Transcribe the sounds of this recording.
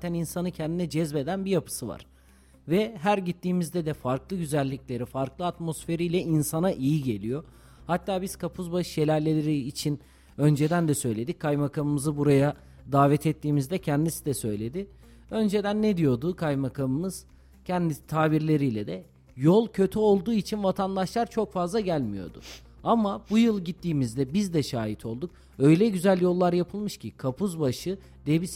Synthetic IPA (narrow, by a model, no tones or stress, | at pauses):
t̪ʰæninsanɯcʰɛnd̪inɛd͡ʒɛzbe̞d̪ænbijapʰɯ̥sɯva̰ɾ̥ | vɛɦæɾɟit̪ːiːmizd̪ɛd̪ɛfaɾklˠɯɟyzælʲːiclʲe̞ɾifaɾklˠɯat̪mo̞sfe̞ɾijlʲɛʔinsanaʔijiɟe̞lʲijo̞ | hat̪ʰːaːbiz̥kʰapʰuzbaɯʃjelʲæɾlʲelʲeɾiːt͡ʃʰin | ø̞nd͡ʒe̞d̪ænd̪ɛsø̞jlʲe̞d̪ic̚kʰːajmakʰamɯmɯzɯbuɾaja | d̪aːvɛt̪ʰɛt̪ʰːiːmizd̪ɛcʰɛnd̪isid̪ɛsø̞jlʲe̞d̪ɪ | ø̞nd͡ʒe̞d̪ænːɛd̪ijo̞d̪ukʰajmakʰamɯmɯz̥ | cʰɛnd̪it̪ʰaːbiɾlʲe̞ɾijlʲɛd̪ɛ | jolˠcʰø̞t̪ʰyo̞lˠd̪uːit͡ʃʰinvat̪ʰand̪aʃlˠaɾt͡ʃʰo̞kfazlˠaɟælʲmijo̞̰d̪ʊ̰ | amabujɯlˠɟit̪ʰːiːmizd̪ɛbizd̪ɛʃaːjit̪ʰo̞lˠd̪uk̚ | ø̞jlʲɛɟyzælʲjo̞lˠːaɾjapʰɯlˠmɯʃcʰikʰapʰuzbaʃɯ | d̪̥ebis